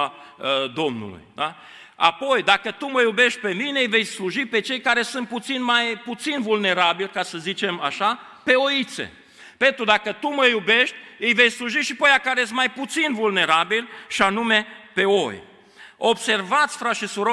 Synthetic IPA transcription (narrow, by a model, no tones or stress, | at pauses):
d̪o̞mnṵlṵjd̪a | a̰po̞jd̪akət̪uməjube̞ʃt̪̚ʲpe̞mine̞ɨjve̞jsluʒipe̞t͡ʃe̞jkaɾe̞sɨnt̪̚put̪sinmajput̪sinvulne̞ɾabilkasəzit͡ʃe̞maʃa | pe̞oit̪sḛ | pe̞nt̪ɾud̪akət̪uməjube̞ʃt̪ʲɨjve̞jsluʒiʃipəjakaɾees̬t̪majput̪sinvulne̞ɾabilʃianume̞pe̞o̞j | o̞bse̞rvat̪sʲfɾat̪ʃisuɾo